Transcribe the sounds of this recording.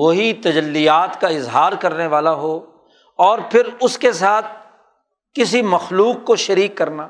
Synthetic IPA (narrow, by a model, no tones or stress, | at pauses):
ʋoɦit̪ɐd͡ʒɐlːijaːt̪kaɪzɦaːɾkɐɾneʋaːlaɦoː | ɔːɾpʰɪɾʊskesaːt̪̚ʰ | kɪsimɐxluːqːoʃɐɾiːkːɐɾnaː